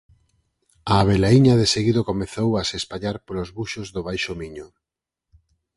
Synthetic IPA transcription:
aːβelaiɲaðeseɣiðokomeθowasespaʎaɾpolozβuʃozðoβajʃomiɲʊ

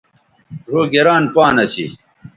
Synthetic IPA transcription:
dʱoːɡeɾaːnpaːnɐɕḭ

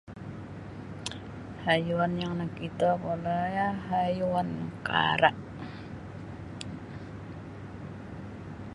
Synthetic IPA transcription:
hajuwanjaŋlahkit̪akolajaɦajuwanka̰ɾa̰ʔ

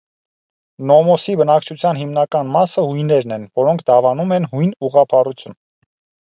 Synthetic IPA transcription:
nɔmɔsibənɑkt͡ʃʰut͡sʰjɑnɦimnɑkɑnmɑsəhujnɛɾnɛnvɔɾɔŋkʰd̪ɑvɑnumɛnhujnuʁɑpʰɑrut͡sʰjun

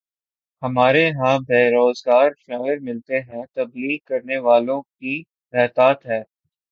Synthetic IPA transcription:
hɐmaːɾeɦãbʱeːɾoːzɡaːɾʃaːɪɪɾmɪlt̪eɦɛ̃t̪ɐbliːɡ̚kɐɾneʋaːlõki | ɾɛːt̪aːt̪ɦɛː

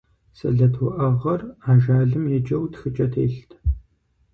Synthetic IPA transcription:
sɐ̰ɮɐtʰwʊʔɐʁɐraːʒaːɮɨmjɛd͡ʒʼɐwtxɨt͡ʃʼɐtʰḛːɬtʰ

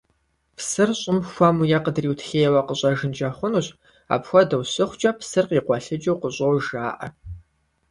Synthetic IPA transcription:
pʰsɨrɕʼɪmxʷɔmujɛqədriːwtʰɬeːjɛwɐqəɕʼɐʒɨnd͡ʒɐχʷʊnuɕ | a̰ːpxʷɔdɐwɕɨχʷt͡ʃʼɐpʰsɨrqiːqʷɔɬɨd͡ʒʼɐwqəɕʼowʒaːʔɐ̰

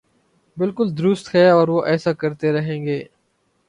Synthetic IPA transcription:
bɪlkʊld̪ʊɾʊst̪ɦɛɔːɾʋoʔɛːsakɐɾt̪eɾɐɦẽːŋɡeː

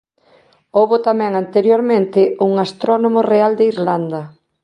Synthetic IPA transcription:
oβot̪amɛ̃ŋant̪eɾjoɾmẽnt̪ɪuŋast̪ɾɔnomoreald̪eiɾland̪ɐ

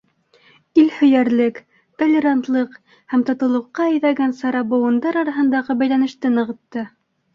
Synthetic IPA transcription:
ilhɵ̆jæɾlɘk | t̪olʲːeɾant̪lˠɤq | hæmt̪ŏt̪ɤ̆lˠɤ̆qːɑɘ̆jðæɡænsɑɾɑbɤ̆wɤ̆nd̪ɑɾɑɾɑɦɤ̆nd̪ɑʁɤbæjlænɘ̆ʃt̪ɘnɤ̆ʁɤ̆t̪ːɤ

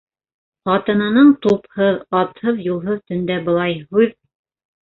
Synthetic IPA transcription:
χɑt̪ɤ̆nɑnɤɴt̪uphɤðɑt̪hɤðjulˠɦɤðt̪ɵ̆nd̪æbɤ̆lˠɑjɦʉð

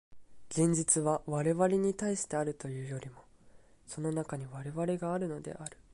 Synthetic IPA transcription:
ɡẽ̞ɲ̟d͡ʑit͡sɨβaβaɾe̞βaɾʲiɲ̟it̪aiɕi̥t̪e̞aɾɯ̟t̪o̞jɯ̟ːjo̞ɾʲimo̞ | so̞no̞nakaɲ̟iβaɾe̞βaɾe̞ɡaːɾɯ̟no̞d̪e̞̰ʔaɾɯ̟̥

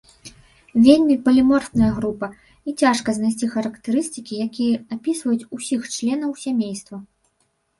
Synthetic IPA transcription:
vʲelʲmʲipɐlʲimɔrt̪nɐjɐɣɾupɐ | it͡sʲaʂkɐznajs̬ʲt͡sʲixɐɾɐkt̪ɨɾɨst̪ɨkʲijakʲijɐapʲisvɐjut͡sʲusʲixt͡ʂlʲɛn̪ɐwsʲamʲejst̪vɐ

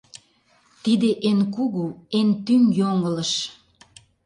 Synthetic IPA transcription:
t̪id̪eʔenkuɣuent̪ymjoŋələ̆ʃ

